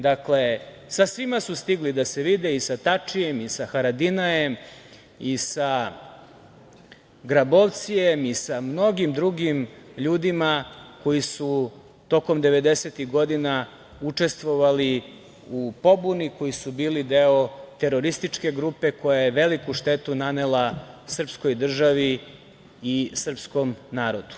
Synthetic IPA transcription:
d̪akle̞ | sasʋimasust̪iɡlid̪ase̞ʋid̪eisat̪at͡ʂije̞misaxaɾad̪inaje̞m | isa | ɡɾabo̞ʋt̪sije̞misamno̞ɡimd̪ɾuɡimʎuːd̪imako̞jisu | t̪o̞ko̞md̪e̞ʋe̞d̪e̞set̪iɣɡo̞d̪ina | ut͡ʂe̞st̪ʋo̞ʋali | upo̞buniko̞jisubiːlid̪e̞o̞t̪e̞ɾo̞ɾist̪it͡ʂke̞ɡɾupe̞ko̞jajeʋe̞likuʃt̪e̞t̪unanelasr̩psko̞jd̪r̩ʒaʋi | isr̩psko̞mnaːɾo̞d̪u̥

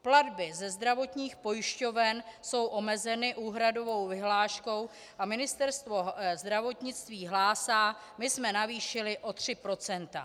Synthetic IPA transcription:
pladbɪzɛzd̪ɾavo̞t̪ɲiːxpo̞jɪʃco̞vɛnso̞wʔo̞mɛzɛnɪʔuːɦɾado̞vo̞wvɪɦlaːʃko̞w | ʔamɪnɪst̪ɛɾst̪vo̞zd̪ɾavo̞t̪ɲɪt͡st̪viːɦlaːsaː | mɪsmɛnaviːʃɪlɪʔo̞t̪r̝̥ɪpɾo̞t͡sɛnt̪a̰

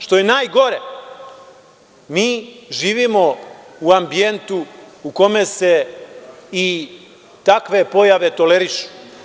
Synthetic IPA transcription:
ʃt̪o̞jenaːjɡo̞ɾe | miːʒiːʋimo̞uambije̞nt̪uuko̞mese̞ | i | t̪akʋe̞po̞jaʋe̞t̪o̞leɾiʃu̥

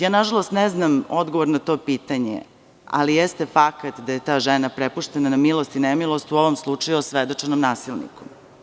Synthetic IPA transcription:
jaːnaʒalˠo̞st̪neznamod̪ɡoʋoɾnat̪o̞ːpiːt̪aɲḛ | a̰lijest̪efakat̪d̪aje̞t̪aːʒenapɾepuʂt̪enanamilˠost̪inemilˠo̞st̪uo̞ʋomslˠut͡ʂajuosʋed̪o̞t͡ʂenomnaːsilˠnḭkom

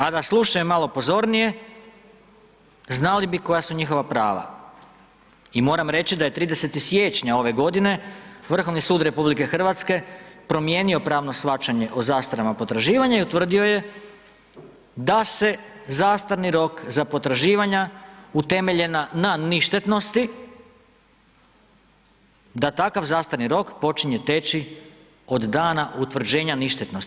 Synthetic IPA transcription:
ad̪aslˠuʃajomːalˠopo̞zo̞ɾnije̞ | znalibiko̞jasuɲixo̞ʋapɾa̰ːʋa̰ | imo̞ːɾamɾe̞t͡ɕid̪aje̞t̪ɾiːd̪e̞se̞t̪isje̞ːt͡ʃɲao̞ʋe̞ɡo̞d̪ine̞ʋr̩xo̞ʋnisuːd̪ɾe̞publike̞xr̩ʋat̪ske̞pɾo̞mjeːnio̞pɾaːʋno̞sʋat͡ʃaɲe̞ʔozaːst̪aɾamapo̞t̪ɾaʒiːʋaɲaiut̪ʋr̩d̪io̞je̞ | d̪ase̞zaːst̪aɾniɾo̞kzapo̞t̪ɾaʒiːʋaɲaut̪e̞me̞ʎe̞nananiʃt̪e̞t̪no̞st̪i | d̪at̪akaʋzaːst̪aɾniɾo̞kpo̞t͡ʃiɲe̞t̪e̞t͡ʃi | o̞d̪d̪aːnaʔut̪ʋr̩d͡ʑeːɲaniʃt̪et̪nost̪i

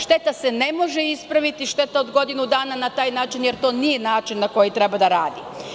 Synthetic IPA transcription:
ʃt̪e̞t̪ase̞ne̞mo̞ʒe̞ispɾaʋit̪iʃt̪e̞t̪ao̞d̪ɡo̞d̪inud̪aːnanat̪aːjnaːt͡ʃinje̞ɾt̪o̞ːnije̞naːt͡ʃinːako̞jit̪ɾe̞bad̪aɾaːd̪i

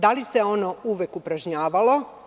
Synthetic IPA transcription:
d̪alise̞o̞no̞uʋekupɾaʒɲaːʋalo̞

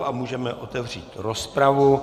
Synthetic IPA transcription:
ʔamuːʒɛmɛʔot̪ɛvr̝iːt̪ɾospɾavu

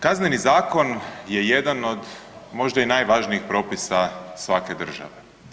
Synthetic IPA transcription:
kaznenizaːko̞nje̞je̞d̪ano̞d̪mo̞ʒd̪ainajʋaʒniixpɾo̞ːpisasʋake̞d̪r̩ʒa̰ʋe̞

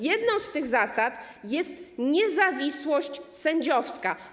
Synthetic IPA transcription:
jɛd̪nɔ̃w̃st̪ɘɣzasat̪ | jɛst̪ɲɛzavʲiswɔɕt͡ɕsɛɲd͡ʑɔfska

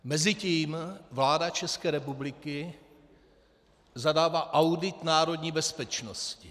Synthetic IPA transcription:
mɛzɪciːmvlaːdat͡ʃɛskɛːɾɛpublɪkɪ | zadaːvaːʔawdɪt̪naːɾo̞dɲiːbɛspɛt͡ʃnoscɪ

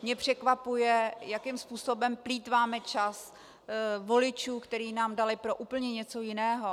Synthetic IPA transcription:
mɲɛpr̝̥ɛkvapujɛjakɪmspuːso̞bɛmpliːt̪vaːmɛt͡ʃas | vo̞lɪt͡ʃuːkt̪ɛɾiːnaːmdalɪpɾo̞ʔuːpl̩ɲɛɲɛt͡so̞jɪnɛːɦo

